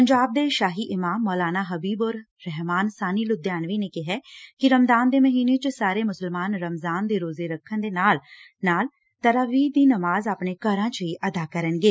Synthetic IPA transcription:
pəɲd͡ʒaːb̚d̪eːʃaːɦiːʔɪmaːmːɔːlaːnaːɦəbiːboːɾ | ɾɛɦmaːnsaːniːlʊd̪jaːnʋiːneːkɪɦɛːkɪɾəmzaːnd̪eːməɦiːneːt͡ʃsaːɾeːmʊsəlmaːnɾəmzaːnd̪eːɾoːzeːɾəkʰːənd̪eːnaːl | naːl | t̪əɾaːʋiːd̪iːnəmaːzaːpɳeːkəɾãːt͡ʃəiːʔəd̪aːkəɾənɡeː

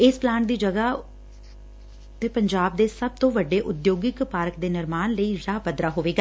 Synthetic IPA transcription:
ɪsplaːɳʈd̪iːd͡ʒəɡaː | t̪eːpəɲd͡ʒaːb̚d̪eːsəb̚t̪õːʋəɖːeːʔʊd̪joːɡɪkpaːɾəkd̪eːnɪɾmaːnləiːɾaːpəd̪ɾaːɦoːʋeːɡaː

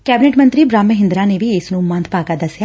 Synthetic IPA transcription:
kɛːbɪneːʈmə̃nt̪ɾiːbɾãːmːəɦɪ̃nd̪ɾãːneːʋiːɪsnũːmə̃nd̪ʰpaːkaːd̪əsːjaː

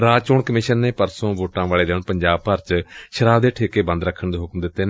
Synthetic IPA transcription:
ɾaːt͡ʃoːɳkəmɪʃənːeːpəɾsõːʋoːʈãːʋaːleːd̪eːɳpəɲd͡ʒaːb̚pəɾt͡ʃʃəɾaːbd̪eːʈʰeːkeːbə̃nd̪ɾəkʰːəɳd̪eːɦʊkmd̪ɪt̪ːeːn

